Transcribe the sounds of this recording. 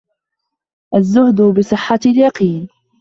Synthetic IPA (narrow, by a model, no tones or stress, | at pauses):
ʔazːʊhd̪ʊbɪsˤɨħːaljɑqiːn